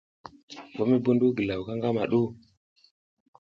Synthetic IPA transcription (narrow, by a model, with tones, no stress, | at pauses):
bo˨˦mi˦bu˦ndu˦ɡə˨la˨wka˦ŋɡa˦ma˨ɗu˦